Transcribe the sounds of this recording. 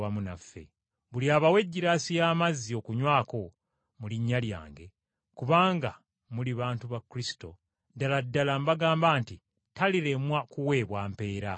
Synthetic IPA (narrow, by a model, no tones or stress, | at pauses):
amunafːe̞̰ | βuliaːβawe̞ɟːiɾaːsijaːmazːio̞kuɲwaːko̞ | muliɲːalja̰ːŋɡe̞ | kuβaːŋɡa | muliβaːntuβakɾisi̥to̞̰ | daladːalambaɡaːmbaːnti | taliɾe̞mwakuwe̞ːβwaːmpe̞ːɾa